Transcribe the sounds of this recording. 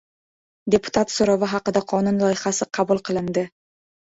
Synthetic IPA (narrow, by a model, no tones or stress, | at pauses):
d̪e̞pʊ̥t̪ʰat̪soɾavɪɦɑqɨd̪aqʰɒnʊnlˠɒjɪχasɪqʰɑbʊlˠqʰɨlˠɪnd̪ɪ